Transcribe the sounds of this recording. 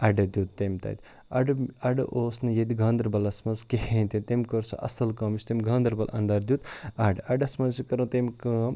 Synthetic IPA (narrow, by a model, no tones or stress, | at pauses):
ɐɖɐd̪ʲjuːt̪̚ːemʲt̪ɐ̰ːt̪ʲ | ɐɖɐɖɐʔoːsnɨjed̪iɡʱɐːnd̪ɾbɐlɐsmɐnzkehent̪emt̪emʲkɐɾsʰɐ̰ʔɐ̰sɐlkɐmisʲt̪emʲɡʱɐːnd̪ɾbɐlʔɐ̰nd̪aːɾd̪ʲjut̪ɐɖʔɐɖɐsmɐzikɐɾɐ̃t̪emʲkɐːm